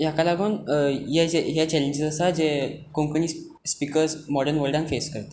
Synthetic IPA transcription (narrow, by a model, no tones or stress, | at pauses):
jakalaɡoːnjeeɦjat͡ɕɛleɲd͡ʑəzəsad͡zekə̃mpəɳiː | spikəɾsmɔɽəɾnʋəɾɖãŋfeskəɾt̪e̥